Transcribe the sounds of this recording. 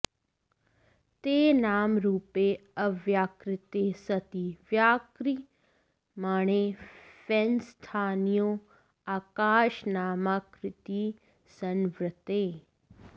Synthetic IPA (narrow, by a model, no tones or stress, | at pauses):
t̪eːnaːmɾuːpeːɐʋjaːkɾɪt̪eːsɐt̪iʋjaːkɾi | maːɳ̃eːfenst̪ʰaːnijoː | aːkaːʃnaːmakɾɪt̪i | sɐnʋɾɪt̪eː